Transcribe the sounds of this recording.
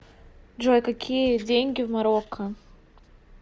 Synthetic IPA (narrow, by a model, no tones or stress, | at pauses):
d͡ʒojkakʲʰijədʲeŋʲɡʲivmaɾokʰːa